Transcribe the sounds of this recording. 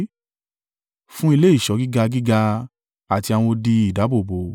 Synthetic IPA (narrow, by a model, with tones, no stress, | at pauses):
fũ˦i˧le˦i˦˨ʃɔ˨˦ɡi˦ɡa˧ɡi˦ɡa˧ | a˨ti˧a˧w̃ɔ̃˧di˧i˨da˨˦bo˦˨bo˨˦